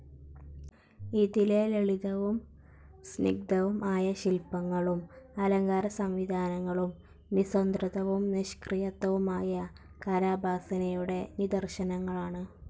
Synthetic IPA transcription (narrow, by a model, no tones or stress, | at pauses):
iðileleɭiðɐʋum | snḭɡ̚d̪ɐʋumʔaːjɐɕilpɐŋːɐɭumɐlɐŋɡaːɾɐsɐmʋid̪ʱaːnɐŋːɐɭumː | isond̪rɨðɐʋumniɕkrijɐt̪ːɐʋumaːjɐ | kaːɾaːbʱaːsɐnɐjuɽe̞nid̪ɐrɕɐnɐŋːɐɭaːɳɨ